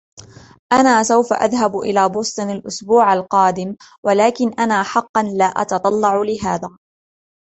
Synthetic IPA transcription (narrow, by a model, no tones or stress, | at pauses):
ʔanaːsawfa̰ʔa̰ðɦabʔɪ̰laːbʊːsˤt̪ˤɨnalʔʊsbuːʕalqɑːd̪ɪm | walaːkɪnʔanaːħɑqːɑnlaːʔɑ̰t̪ɑt̪ˤɑlːɑʕʊlɪɦaːðaː